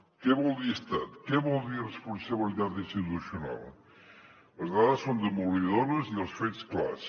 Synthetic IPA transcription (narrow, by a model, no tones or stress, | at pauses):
kɛβɔlˠd̪iəst̪at̪keβɔlˠd̪irəspunsəβilit̪at̪inst̪it̪usjuna̰lˠ | ləzðaðəsːond̪əmuliðonəziðəlˠsfeskla̰s